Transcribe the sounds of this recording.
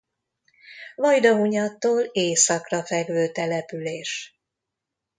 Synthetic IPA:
vɒjd̪ɒuɲɒt̪ːoːleːsɒkrɒfɛɡvøːt̪ɛlɛpyleːʃ

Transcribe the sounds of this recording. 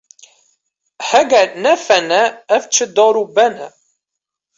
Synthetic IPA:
hæɡænæfænæːft͡ʃːəd̪əɾˤubænæ̰

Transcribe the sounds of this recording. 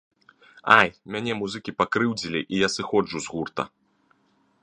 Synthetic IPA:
ajmʲanʲɛmuzɨkʲipakɾɨwd͡zʲilʲiʔijasɨxɔd͡ʐuzɣurt̪ɐ̰

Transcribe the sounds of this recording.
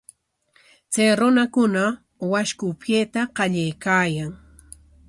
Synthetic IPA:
t͡sajɾʊnakʊna | waʃkʊpjeːt̪aqɑʎajkaːjaŋ

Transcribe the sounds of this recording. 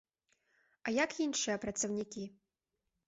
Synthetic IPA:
ɐjakinʂɨjɐpɾɐt̪sɐwnʲikʲi

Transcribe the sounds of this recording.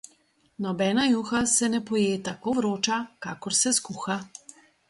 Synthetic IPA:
nɔbɛːnajuːxasɛnɛpɔjeːt̪akoʋɾoːt͡ʃakaːkɔɾsɛskuːxa

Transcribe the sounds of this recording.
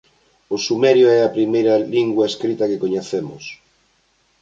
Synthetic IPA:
osumɛɾjoɛɐpɾimejɾɐliŋɡwɐeskɾit̪ɐkekoɲeθemʊs

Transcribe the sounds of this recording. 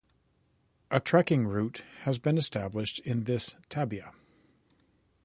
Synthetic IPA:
ʔɨtʰɹ̥ækɪ̃ŋɹʉthɨzbɨ̃nɨstæblɪʃtʰɪ̃nðɪstʰæbiɨ

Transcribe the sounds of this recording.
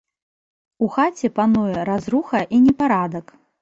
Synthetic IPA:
uxat͡sʲɛpanujɛɾazɾuxɐʔinʲɛpaɾad̪ɐk

